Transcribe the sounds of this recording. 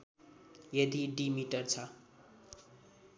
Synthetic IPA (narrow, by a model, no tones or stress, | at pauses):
jed̪iɖimiʈʌrt͡sʰʌ